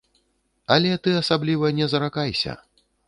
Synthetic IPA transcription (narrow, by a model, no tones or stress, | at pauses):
ɐlʲɛt̪ɨasablʲivɐnʲɛzɐɾakajsʲɐ̰